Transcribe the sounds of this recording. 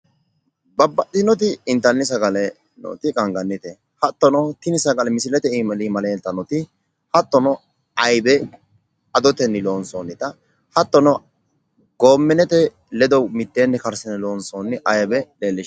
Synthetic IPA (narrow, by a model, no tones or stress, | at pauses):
bɐbːɐɗɪnɔt̪̬ɪɪnt̪ːɐnːɪs̬ɐɡɐlɛ | no̰ːt̪ɪkʼɐŋɡɐnːɪt̪ɛ | hɐt̪ːɔnɔt̪ɪnɪsɐɡɐlɛmɪsɪlɛt̪ɛimɐlimɐleːnt̪ːɐnɔt̪ɪ | hɐt̪ːɔnɔ | ɐjbɛ | ɐd̪ɔt̪ɛnːɪloːnsonːɪt̪ɐ | hɐt̪ːɔnɔ | ɡoːmːɛnɛt̪ɛ | lɛd̪ɔmɪt̪ːeːnːɛkɐɾsɛnɪloːnsonːɪʔɐjbɛleːlːɪʃ